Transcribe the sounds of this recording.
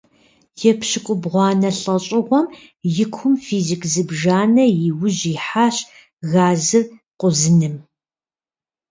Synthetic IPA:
jɛpʰɕɪkʷʼʊbʁʷɑːnɐɬʼɐɕʼɪʁʷɔm | jɪkʷʰʊmfiːzikʰzɨbʒaːnɐjɪwʊʑiːħaːɕ | ɣaːzɨrqʷʼʊzɨnɨm

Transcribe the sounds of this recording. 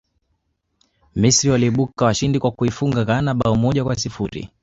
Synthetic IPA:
misɾiwaliɓukawaʃindikwakuifuŋɡaɣanaɓaɔmɔʄakwas̬ifuɾḭ

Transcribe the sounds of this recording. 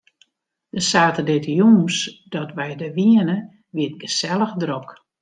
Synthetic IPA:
d̥əsaːtədɪtjuːsd̥ɔtʋɛjdəʋiənə | ʋiət̚ɡəsɛlˠəxdrok

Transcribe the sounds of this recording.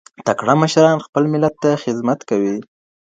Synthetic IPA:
t̪akɽaməʃɾɑnxpəlmɪlat̪ːaxɪzmat̪kawi

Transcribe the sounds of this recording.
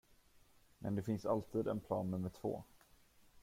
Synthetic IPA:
mʔɛ̰nd̪ɛfɪnsalt̪ʰiːd̪ɛ̰npʰlɑ̰ːnːɵmːəʈʰvo̰ː

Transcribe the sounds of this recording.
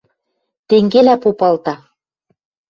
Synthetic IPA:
t̪eŋɡelæpopɤlt̪ɑ

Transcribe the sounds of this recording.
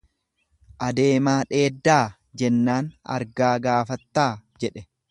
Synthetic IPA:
ʔɐd̪e̞ːmaːᶑe̞ːd̪ːaː | d͡ʒɛnːaːnɐ̰ɾɡaːɡaːfɐt̪ːaːd͡ʒɛᶑɛ

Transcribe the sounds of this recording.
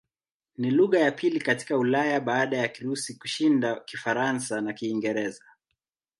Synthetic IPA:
niluɣajapʰilikati̥kaulajaɓaːɗajakiɾusikuʃindakifaɾansanakiːŋɡɛɾɛza

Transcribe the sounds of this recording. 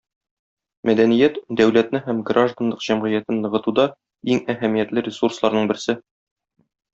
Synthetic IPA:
mæd̪ænijæt̪d̪æwlæt̪nɘɦæmɡrʔaʒd̪anlɤqʑ̥æmʁɤ̆jæt̪ɘnːɤ̆ʁɤ̆t̪ud̪ɑ | iŋæɦæmijæt̪lɘɾʲɪsurslˠɑɾnɤɴbɘ̆ɾsɘ

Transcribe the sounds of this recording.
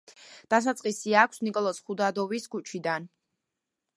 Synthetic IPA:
d̪̥asat̪sʼqʼisiakʷʰsnikʼɔlˠɔsχud̪ad̪ɔviskʰut͡ʃʰid̪an

